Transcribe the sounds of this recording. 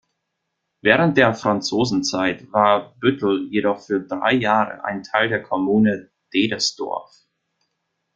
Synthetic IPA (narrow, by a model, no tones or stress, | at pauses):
vɛːʁənt̚d̥eːɐfʁ̥ant͡soːzn̩t͡saɪtvaːɐb̥ʏtl̩jedɔχfyːɐdʁa̰ɪjaːʁə̰ʔa̰ɪntʰaɪldeːɐkʰɔmuːnə | d̥eːdəsd̥ɔ̰ɐf